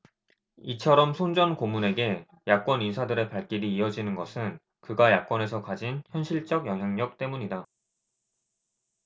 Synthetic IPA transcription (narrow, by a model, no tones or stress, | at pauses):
it͡ɕʰʌɾʌmsʰond͡ʑʌnkomune̞ɡe̞ | jak͈wʌninsʰadɯɾe̞paɭk͈iɾiːʌd͡ʑinɯnɡʌsʰɯn | kɯɡajak͈wʌne̞sʰʌkad͡ʑinçjʌnɕʰiɭt͡ɕ͈ʌɡjʌŋɦjaŋɲʌk̚t͈e̞muɲida